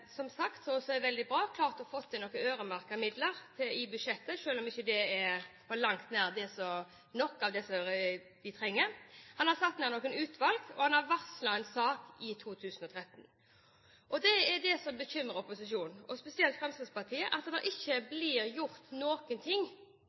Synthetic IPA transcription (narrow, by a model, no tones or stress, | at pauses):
sɔmsɑkt̪sɔsɔɛʋɛld̪ɪbɾɑːkʰlɑːɾt̪ɔɑfɔt̪ʰːɪɔkːəøːɾəmɑɾkəmɪd̪ləɾt̪ʰɪɪbʉd̪ʂɛt̪ːəʂøːlɔmɪçːəd̪ɛɛfɔlɑŋt̪næːʁd̪ɛsɔ | nɔkːɑʋd̪ɛsɔɾ | d̪ɪt̪ʰɾɛŋːəɾhɑnhɑɾsɑt̪ːnæːɾnɔːkənʉːt̪ʋɑlɡɔhɑnhɑɾʋɑʁslɑɛnsɑːkɪt̪ʰuːt̪ʰʉːsənɔt̪ʰɾɛt̪ːn̩ | ʔɔd̪ɛɛɖɛsɔmbəçʏmːəɾəɔpʊsɪʃuːnɔspɛsɪɛlt̪fɾɑmsʋɑspɑt̪ʰiːəʔɑt̪d̪ɑʔɪçːəblɪɾjʊɾt̪noːkənt̪ʰɪŋː